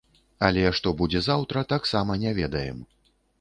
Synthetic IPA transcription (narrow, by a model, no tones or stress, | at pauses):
ɐlʲɛʂt̪ɔbud͡zʲɛzawt̪ɾɐt̪aksamɐnʲɛvʲɛd̪ɐjɛ̰m